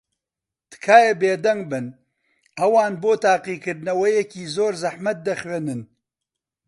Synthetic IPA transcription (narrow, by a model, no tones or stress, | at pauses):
t̪ɨ̥kʰaːjebeːd̪ɐŋɡ̚bɨn | ʔɐwaːnboːt̪aːqiːkɨɾd̪nɐwɐjɛkiːzoːɾzɐħmɐt̪̚d̪ɐxweːnɨn